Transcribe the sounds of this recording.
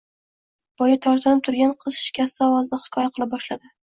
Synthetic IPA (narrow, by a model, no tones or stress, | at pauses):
b̥ɒjat̪ʰɒɾt̪ʰanɪp̚t̪ʰʊɾɡʲanqʰɨz̥ʃɪ̥kʲʰast̪ɪɒvɒzd̪aχɪ̥kʰɒjaqʰɨlˠɪp̚bɒʃlad̪ɪ